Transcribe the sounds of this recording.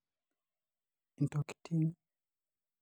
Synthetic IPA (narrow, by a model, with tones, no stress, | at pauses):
n̩˨tɔ˨ki̥˨tʰi˦ni